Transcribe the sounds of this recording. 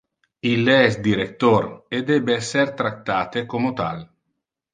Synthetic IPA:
ilːeɛsd̪iɾekt̪ored̪ɛːbeɛsːert̪ɾakt̪ːaːt̪ekomot̪a̰l

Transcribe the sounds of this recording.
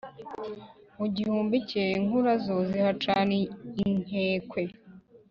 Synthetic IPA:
muɟihuːmbiceŋuɾazozihat͡ʃaːneiŋ̥eːkwe

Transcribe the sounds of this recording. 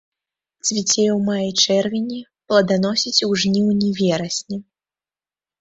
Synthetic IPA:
t͡s̪ʲvʲit͡sʲejɛwmajit͡ʂɛrvʲinʲi | plˠɐd̪anɔsʲit͡sʲuʐnʲiwnʲivʲɛɾɐsʲnʲi

